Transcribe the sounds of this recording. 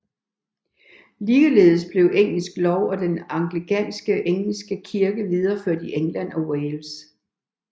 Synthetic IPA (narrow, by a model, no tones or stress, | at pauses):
liːle̝̰ːð̩ˠsb̥le̝ʊʔeŋ̰l̩sɡ̥lɒʊɒ̽d̥enɑ̈ŋɡ̥liɡʰæn̰sɡ̥əʔeŋ̰l̩sɡ̥əkʰiɐɡ̥əʋið̞ˠɐføɐd̥ieŋlæn̰ɒ̽weɪls